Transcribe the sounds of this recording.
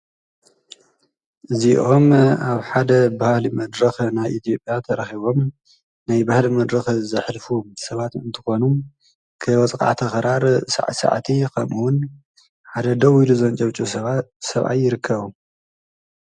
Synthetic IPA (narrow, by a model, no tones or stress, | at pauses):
ʔɨziʔo̞maβħad̪ɐbahlimɐd̪ɾɐxnajʔit̪ʰijo̞pʼjat̪ʰɐɾɐxiβo̞m | najbahlimɐd̪ɾɐxzɨħlfusɐβat̪ɨ̰nt̪ʰɨ̥xo̞nu | kʰɨwɐt͡sʼkʼa̰ʕt̪ʰɐxɾaɾsa̰ʕsa̰ʕt̪ʰikʰɐmuwʊn | ħad̪ɐd̪ɐwiluzɐnt͡ʃʼɐβt͡ʃʼuɐsɐβʔa̰jːɪɾɨkʰːɐβu